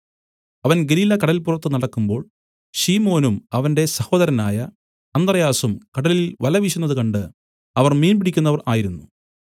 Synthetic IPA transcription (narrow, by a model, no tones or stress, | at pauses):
ɐʋɐnɡeliːlɐkɐɽɐlilpurɐt̪ːɨnɐɽɐkːumbo̞ːɭ | ɕiːmo̞ːnumɐʋɐnde̞sɐho̞ːd̪ɐɾɐnaːjɐ | ɐnd̪rɐjaːsumkɐɽɐlilʋɐlɐʋiɕunːɐðɨkɐɳɖɨ | ɐʋɐrmiːnbiɽikʲːunːɐʋɐraːjiɾunːu